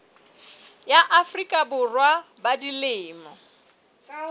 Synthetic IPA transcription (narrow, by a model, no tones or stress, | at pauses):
jaʔafrikʼabʊrwabadilɪːmɔ